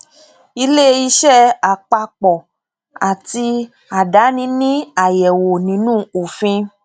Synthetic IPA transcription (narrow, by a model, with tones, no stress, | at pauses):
i˧le˦i˧ʃɛ˦a˨k͡pa˧k͡pɔ˨ | a˨ti˧ | a˨da˨˦nĩ˧˦nĩ˦a˨jɛ˨wo˨nĩ˨˦nũ˦˨o˨fĩ˧